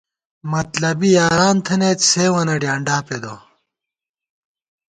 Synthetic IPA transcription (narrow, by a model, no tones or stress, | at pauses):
mɐt̪lɐbijaːɾaːnt̪ʰɐneːt̪seːwɐnɐɖjaːɳɖaːped̪o̰